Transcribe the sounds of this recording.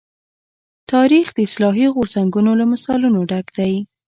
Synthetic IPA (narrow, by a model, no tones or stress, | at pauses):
t̪ɑɾixd̪əɪslɑɦiɣʊɾzaŋɡunolamasɑlunoɖaɡd̪aj